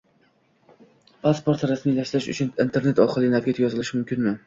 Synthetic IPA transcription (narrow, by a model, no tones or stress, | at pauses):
pʰaspoɾt̪ɾasmijlaʃlɪʃʊ̰t͡ʃʰʊnint̪ʰe̞ɾne̞t̪ɒχɨlˠɪnatkʲat̪ʰjɒzɨlˠɪʃmʊmkʲɪnmɪ